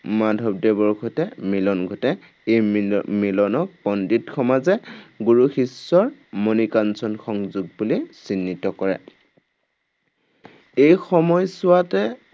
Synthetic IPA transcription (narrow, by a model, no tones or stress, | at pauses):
madʱɔb̚debɔɹɡʰʱotɛmilɔnɡʱotɛ | ejmilɔnɔkpɔnditkʰɔmazɛɡuɹuxisːɔɹmonikansɔnxɔŋzuɡ̚bulisinːitɔkɔɹɛ̰ | ejxɔmɔjsʊwatɛ